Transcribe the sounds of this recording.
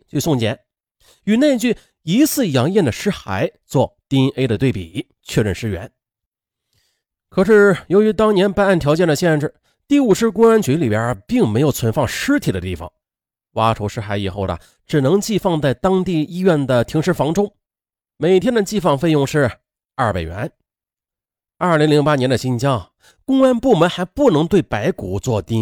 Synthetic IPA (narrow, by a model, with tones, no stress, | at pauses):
t͡ɕy˥˧sʊ˥˩ŋt͡ɕjɛ̰˧˥n | y˨˩ne˥˧ɪt͡ɕy˥˩ | i˧˥t͡sʰɹ̩˥˩jɑ˧˥ŋjɛ˥˩nd̪ə˩ʂɻ̩˥xa̰˧˥ɪt͡swɔ˥˩t̪i˥nʔe˥ɪd̪ə˧t̪we˥˩ɪpḭ˨˩˦ | t͡ɕʰɥɛ˥˧ɻə˥˩nʂɻ̩˥ɥɛ̰˧˥n | kʰɤ˨˩ʂɻ̩˥˩jo˧˥ʊy˧˥t̪ɑ˥ŋnjɛ˧˥npa˥˧n˥˩nt̪ʰjɑ˧ʊt͡ɕjɛ˥˩nd̪ə˩ɕjɛ˥˧nʈ͡ʂɻ̩˥˩ | t̪i˥˩u˨˩ʂɻ̩˥kwʊ˥ɻa˧˥nt͡ɕʰy˧˥li˨˩pjə̰˞˧˥pi˥˩ŋme˧˥ɪjo˨˩ʊt͡sʰwə˧˥nfɑ˥˧ŋʂɻ̩˥t̪ʰi˨˩d̪ə̰˦t̪i˥˩fɑ̰˨˩˦ŋ | wa˥ʈ͡ʂʰo˧˥ʊʂɻ̩˥xa˧˥ɪḭ˨˩xo˥˩ʊd̪ə̰˩ | ʈ͡ʂɻ̩˨˩nɤ˧˥ŋt͡ɕi˥˧fɑ˥˧ŋt͡sa˥˩ɪt̪ɑ˥ŋt̪i˥˩˧i˥ɥɛ˥˩nd̪ə˩t̪ʰi˧˥ŋʂɻ̩˧˥fɑ˧˥ŋʈ͡ʂʊ˥ŋ | me˨˩ɪt̪ʰjɛ˥nd̪ə˨t͡ɕi˥˧fɑ˥˧ŋfe˥˧ɪjʊ˥˧ŋʂɻ̩˥˧˩ | a˥˩pe˨˩ɥɛ̰˧˥n | ɐ˞˥˩li˧˥ŋli˧˥ŋpa˥njɛ˧˥nd̪ə˧ɕi˥nt͡ɕjɑ˥ŋ | kʊ˥ŋa˥npu˥˩mə˧˥nxa˧˥ɪpu˥˩nɤ˧˥ŋt̪we˥˩ɪpa˧˥ɪku˧˩t͡swɔ˥˧˩t̪i˥